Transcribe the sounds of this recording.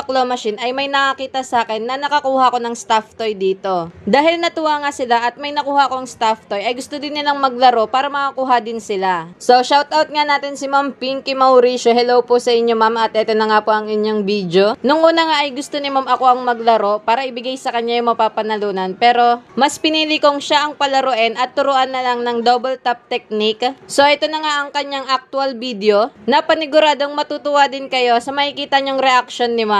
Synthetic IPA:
ɐklomɐʃinʔɐjmɐjnɐkɐkiːt̪ɐsaːkɛnːɐnɐkɐkuːhɐʔko̞nɐŋst̪aft̪o̞jd̪iːt̪o̞d̪aːɦɪlnɐt̪ʊwaŋasɪlaʔɐt̪̚mɐjnɐkuːhɐʔko̞ɐŋst̪aft̪o̞jʔɐjɡʊst̪o̞d̪ɪnːɪlaŋmɐɡ̚lɐɾo̞paːɾɐmɐkɐkuːɦad̪ɪnsɪlaso̞ʃawt̪ʔawt̪̚ŋanaːt̪ɪnsɪmampiŋkɪmɐwɾiso̞ɦɛlowposɐʔɪɲːo̞mamɐt̪̚ʔɛːt̪o̞nɐŋapoʔɐŋɪɲjo̞ŋbiːd̪jo̞nʊŋʔuːnɐŋaʔɐjɡʊst̪onɪmamɐko̞ʔɐŋmɐɡ̚lɐɾo̞paːɾɐʔɪbɪɡajsɐkɐɲːajʊŋmɐpaːpɐnɐluːnɐnpɛːɾo̞mɐspɪniːlɪkoŋʃaʔɐŋpɐlɐɾoʔɛnʔɐt̪ːʊɾʊʔanːɐlɐŋnɐŋd̪obɛlt̪ap̚t̪ɛk̚nikso̞ʔɛt̪o̞nɐŋaʔɐŋkɐɲjaŋʔɐk̚t̪ʊalbid̪ɛo̞nɐpɐnɪɡʊɾaːd̪o̞ŋmɐt̪ut̪ʊwad̪ɪnkɐjo̞sɐmɐʔɪkiːt̪ɐɲoŋɾɛʔak̚ʃo̞nːɪma

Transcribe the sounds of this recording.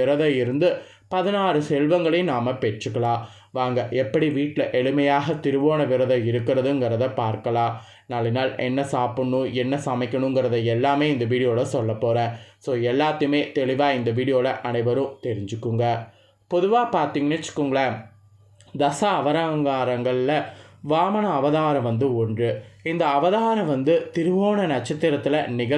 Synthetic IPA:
ɪɾɐðɐɪɾɯnd̪ɯ | pɐðɪnaːɾɯsɛlʋɐŋɡɐɭɐɪnaːmɐpɛʈrɯkːɐɭãː | ʋaːŋɡɐʔɛpːɐɽiʋiːʈːlɐʔɛɭɯmɐjaːɣɐt̪ɪɾɯʋoːnɐʋɪɾɐðɐɪɾɯkːɪɾɐðɯŋɡɪɾɐðɐpaːɾkɐlãː | naːlɪnaːlɛ̰nːɐsaːpɯɳːɯ̃ɛnːɐsɐmɪkʲːɐɳʊ̃ŋɡɪɾɐðɐɛlːaːmeːɪnd̪ɐʋiːɽɪjoːɭɐsɔlːɐpːoːɾɛ̃ːsoːɛlːaːt̪ːɯmeːt̪ɛɭɪʋaːɪnd̪ɐʋiːɽɪjoːlɐʔɐnɐɪʋɐɾɯ̃t̪ɛɾɪɲd͡ʒɯkːɯŋɡɐ | pɔðɯʋaːpaːɾt̪iŋɡɐnɪt͡ʃːɯ̥kːɯŋɡɐɭɐ | d̪ɐsɐːʋɐɾɐɐŋɡaːɾɐŋɡɐɭɪlɐʋaːmɐɳɐːʋɐðaːɾɐ̃ʋɐnd̪ɯɔɳdrɯɪnd̪ɐːʋɐðaːɾɐ̃ʋɐnd̪ɯt̪ɪɾɯʋoːnɐnɐt͡ʃːɐt̪ːɪɾɐt̪ːɪlɐnɪɣɐ

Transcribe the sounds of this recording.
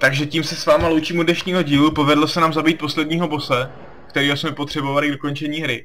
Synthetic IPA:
t̪aɡʒɛciːmsɛsvaːmalowt͡ʃiːmudnɛʃɲiːɦo̞ɟiːlupo̞vɛdlosɛnaːmzabiːt̪̚po̞slɛdɲiːɦo̞bo̞sɛ | k̚t̪ɛɾiːɦo̞smɛpot̪r̝̥ɛbo̞valɪɡdo̞ko̞nt͡ʃɛɲiːɦɾɪ

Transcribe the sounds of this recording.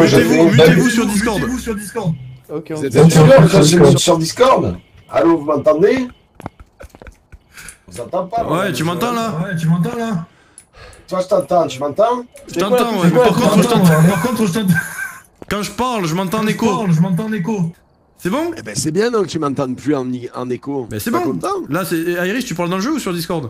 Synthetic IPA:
ɔ̃ʒamɔ̃t̪ɛ̃vusyʁd̪is̬kɔʁd̪vusyʁld̪iskɔʁd̪ | sɛ̃d̪iskɔd̪kãʒevĩt̪sɔʁd̪iskɔʁd̪̰ | a̰nõvəmɛ̃nt̪ãd̪e | sãt̪ãt̪ãwɛt̪ymɑ̃nt̪ɑ̃lawɛt̪ymɑ̃nt̪̬ɑ̃la | t̪waʒət̪ɑ̃t̪ɑ̃t̪əmɑ̃t̪ɑ̃ʒʒət̪ɑ̃t̪ɑ̃wɛmɛpaʁkɔ̃t̪ət̪ɑ̃paʁkɔ̃t̪χəʒət̪ɑ̃t̪ | kɑ̃ʒəpaʁlʒəmɑ̃t̪ɑ̃nekoʁlʒəmɑ̃t̪̬ɑ̃neko | sɛbɔ̃ebɛsɛbjɛ̃nɔ̃kət̪ymɑ̃t̪ɑ̃d̪plyɑ̃neɑ̰̃nekobɛ̰sɛbɔ̃ɑ̃t̪ɑ̃lasɛaiʁiʃt̪ypaʁld̪ɑ̃lʒøusyʁd̪iskɔʁd̪

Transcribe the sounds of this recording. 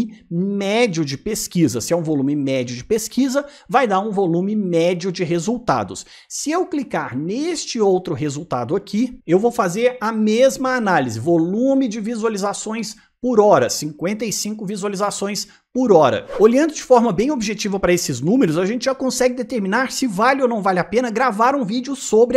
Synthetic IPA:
mɛd͡ʒiʊd͡ʒɪpeskizɐsɪɛũvolũmɪmɛd͡ʒiʊd͡ʒɪpeskizɐ | vajd̪aɾũvolũmɪmɛd͡ʒiʊd͡ʒɪɦezuwt̪a̰d̪ʊ̰s | sɪewklikaɾnest͡ʃɪowt̪ɾʊɦezuwt̪a̰d̪ʊakʰiewvowfazeɾɐmezmɐːnalizɪvolũmɪd͡ʒɪvizualizasõj̃s | pʊɾɔɾɐsĩkwẽnt̪ɐisĩŋkʊvizualizasõj̃s | pʊɾɔɾɐ̰oʎɐ̃nd̪ʊd͡ʒɪfɔɾmɐbẽj̃obiʒet͡ʃivɐpɾɐesɪznũmeɾʊzaʒẽnt͡ʃɪʒakõsɛɡɪd̪et̪eɾmĩnaɾsɪvalɪownɐ̃w̃valɪapẽnɐɡɾavaɾũvid͡ʒʊsobɾɪ

